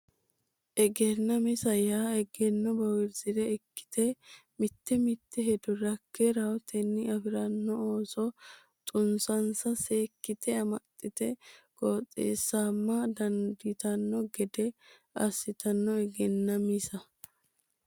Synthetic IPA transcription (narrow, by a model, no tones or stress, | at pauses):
ʔɛɡɛnːɐmɪsɐjaːɛɡɛnːɔbɐwɪɾzɪd̪ɛɛkːɪ̥t̪ɛmɪt̪ːɛmɪt̪ːɛɦɛd̪ʊɾɐkːɛɾɐwt̪ɛnːɪɐfɪɾɐnːɔoːsɔ | t̪ʼʊnsɐnsɐseːkːɪt̪ɛɐmɐt̪ʼːɪt̪ɛɡ̥oːtʼːḛːsːaːmːɐd̪ɐnd̪ɪt̪ɐnːɔɡɛd̪ɛ | ɐsːɪt̪ɐnːɔɛɡɛnːɐmɪsɐ